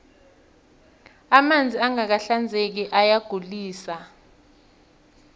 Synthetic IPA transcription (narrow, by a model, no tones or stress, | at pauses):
amand͡zʱiaŋak̬aɬand͡zʱek̬iʔajaɡ̥ʱuliːsa